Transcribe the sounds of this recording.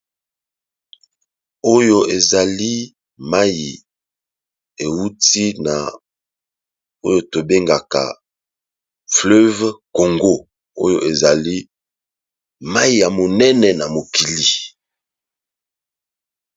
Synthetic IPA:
o˦jo˦e˨za˨li˦ | ma˦ji˨ | e˨wu˦ti˦na̰˨ | o˦jo˨to˨be˦ŋɡa˨ka̰˨ | flø˦vko˨ŋɡo˦ | o˦jo˨ʔe˨za˨li˦ | ma˦i˨ja˨mo˨nɛ˦nɛ˨na˨mo˨ki˨li˨

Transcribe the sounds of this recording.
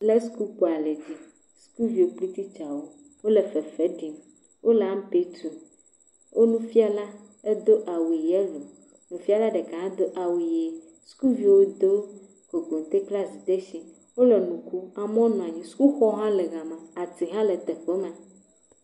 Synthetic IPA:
le˦sku˦k͡po˨a˨le˨d͡ʑi˦ | sku˦vi˨wo˨k͡pli˦t̪i˦t͡ʃa˨wo˦ | wo˦le˨fe˨fe˦ɖi˨m | wʔo˦le˨a˦m˦pe˦t̪ɾu˨ | wʔo˦nũ˦fi˦a˨la˦ | e˦d̪o˦ʔa˨wi˨je˦lo˨ | nũ˨fi˦a˦˨la˦ɖe˨ka˨ɦã˦d̪o˦ʔa˨wi˨je˨ | sku˦vi˦wo˦d̪o˦ | ko˨ɡo˨n˨t̪e˦kla˦zi˨d̪e˦ʃĩ˨ | wo˦le˨nũ˨ku˦a˨m˦ɔ̃˦nũ˨a˨ɲĩ˨sku˦xɔ˦ɦã˦lɛ˨ɣa˨mã˨a˨t̪i˨ɦã˦le˨t̪ɛ˨ɸe˦mɛ̃˨

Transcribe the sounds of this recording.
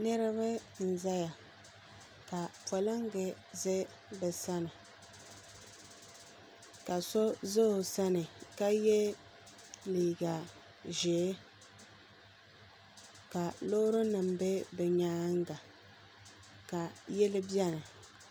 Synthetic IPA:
nɨ˦ɾɨ˦βa˦n̩˨za˦ja˨ | ka˨pɔ˨lɨ˦ŋ˦ɡɛ˨ | zɪ˦ | bɛ˨sa˦nɨ˨ | ka˨so˦zo˦˨sa˦nɨ˨ka˦jɛ˦ | liː˨ɡa˨ | ʒeː˨˦ | ka˨lo˦ɾʊ˦nɨ˨mbɛ˦bɛ˨ɲaː˦ŋ˦ɡa˨ | ka˨jɛ˦lɪ˦bi˦ɛ˦na˨

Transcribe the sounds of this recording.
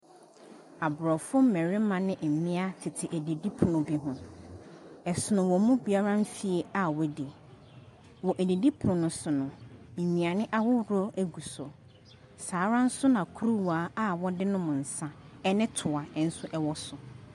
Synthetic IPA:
a˨bʊ˨ɾɔ˨fʊ˦m̩˦mɛ̃˨ɾɪ˦mã˨nɪ̃˦ʔɛ˨mĩ˦a˦tʰɪ˨tʰɪ˨ʔæ˨di˨di˦pʰʊ̃˨nʊ̃˨bi˦ɦʊ̃˨ | ɛ˨sʊ˨nʊ̃˨wɔ˨mũ˦bi˨a˦ɾã˦ɱ˦fi˦e˨a˨wɔ˦di˨ | wɔ˨ʔæ˨di˨di˦pʰʊ˨nʊ̃˨nʊ̃˨sʊ˨nʊ̃˨m̩˨mĩ˨a˨nɪ̃˦ʔa˦wʊ˦ɾɔ˦æ˦ɡu˨sɔ˨ | saː˨˦ɾã˦n̩˦sʊ˦nã˨kʰu˦ɾu˦waː˨˦a˦wɔ˦dɪ˦nʊ̃˦mʊ̃˨n̩˨sã˦ | ɛ˦nɪ̃˦tʰʊ˨a˨ɛ˨n̩˦sʊ˦ʔɛ˦wɔ˦sʊ˨

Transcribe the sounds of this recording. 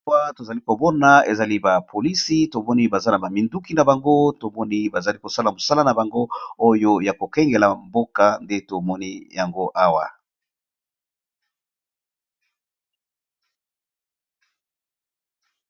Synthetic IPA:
wa˦to˨za˨li˦ko˨bɔ˦na˨ḛ˨za˨li˦ba˨pʰo˨li˦si˦to˨mɔ˦ni˦ba˨za˦na˨ba˨mi˨ndu˦ki˨na˨ba˨ŋɡo˦to˨mɔ˦ni˦ba˨za˨li˦ko˨sa˦la˨mo˨sa˦la˦na˨ba˨ŋɡo˦o˦jo˦ja˨ko˨kɛ˦ŋɡe˨la˨mbo˦ka˨nde˦to˨mɔ˦ni˦ja˨ŋɡo˦ʔa˦wa̰˨

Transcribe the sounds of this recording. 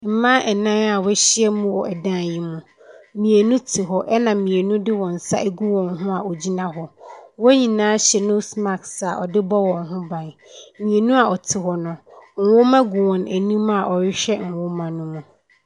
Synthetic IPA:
m̩˨mã˦ʔɛ˨nã˦na˨wɛ˦ɕɪ˦ɛ˦mũ˦wɔ˨ʔɛ˨dã˦˨ji˦mũ˨ | mĩ˨e˨nũ˦tʰɪ˨ɦɔ˦ʔɛ˦nã˨mĩ˨e˨nũ˦dɪ˦wɔ̃˨n̩˨sa̰˦ʔe˦ɡu˦wɔ̃˨nɦʊ̃˦a˨ɔ˨d͡ʑi˦nã˨ɦɔ˨wɔ˦ɲĩ˨nãː˨˦ɕɛ˨nʊ̃˦sma˨ksa˨ʔɔ̰˨dɪ˦bɔ˦wɔ̃˨nɦʊ̃˦bã˨n˨mĩ˨e˨nũ˦a˨ɔ˨tʰɪ˨ɦɔ˨nʊ̃˨ŋ̩˨wʊ˦mã˦ɡu˨wɔ̃˨nʔæ˨nũ˦ma˨ʔɔ˨ɾɪ˦ɕᶣɛ˦ŋ̩˨wʊ˦mã˨nũ˦mũ˨

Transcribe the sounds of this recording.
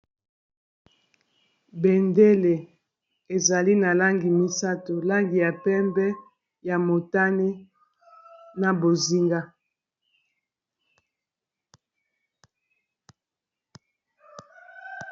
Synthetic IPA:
bɛ˨nde˦le˨ | e˨za˨li˦na˨la˦ŋɡi˨mi˦sa˦to˨la˦ŋɡi˨ja˨pɛ˦mbɛ˦ | ja˨mo˨ta˦ne˦ | na˨bo˨zi˦ŋɡa˦

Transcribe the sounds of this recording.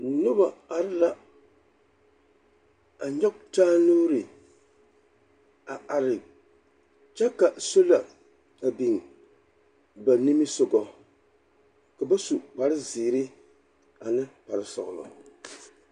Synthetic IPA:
nʊ˦ba˨a˨ɾɪ˦la˦ | a˨ɲɔ˦k̚taː˦nuː˦ɾi˨ | a˨ʔa˨ɾɪ˨ | t͡ʃɛ˦ka˨so˦la˨ | a˨bi˨ŋ˨ | ba˨ni˦mi˦so˨ɡɔ˨ | ka˨ba˦su˨k͡pa˨ɾɨ˦ziː˨ɾi˦ | a˨nɨ˦pa˨ɾɨ˨sɔ̰˨ʔlɔ̰˨

